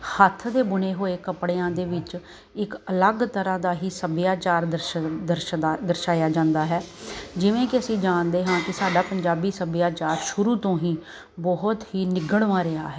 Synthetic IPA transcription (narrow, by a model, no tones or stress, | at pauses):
hət̪ʰd̪eːbʊneːɦoːeːkəpɽeːãːd̪eːʋɪt͡ʃ | ɪkələɡt̪əɾãːd̪aːɦiːsəbjaːt͡ʃaːɾd̪əɾd̪əɾd̪əɾʃaːjaːd͡ʒãːnd̪aːɦɛːd͡ʒɪʋẽːkɪəsĩːd͡ʒaːnd̪eːɦãːkɪsaːɖaːpəɲd͡ʒaːbiːsəbɪjaːt͡ʃaːɾʃʊɾuːt̪õːɦĩː | bɔɦʊt̪ɦiːnɪɡəɽʋãːɾɪa̰ːɦɛː